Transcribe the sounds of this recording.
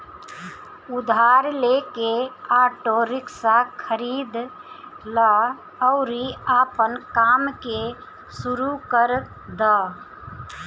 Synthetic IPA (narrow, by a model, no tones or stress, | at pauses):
ud̪ʱaɾlekeaʈoɾɪksakʰəɾid̪ | lə | əʊɾiapənkamke | suɾukəɾ | d̪ə